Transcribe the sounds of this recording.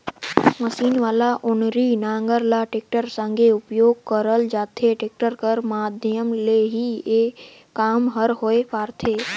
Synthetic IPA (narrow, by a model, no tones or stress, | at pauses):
məsiːnʋaːlaʔʊnɾinãːŋɡəɾlaʈek̚ʈəɾsə̃ŋɡʱeʊpjoːɡ̚kəɾəld͡ʒaːt̪ʰeʈeːk̚ʈəɾkəɾmaːd̪ʱjəmleɦie | kːaːmɦəɾɦoːepaːɾt̪ʰeː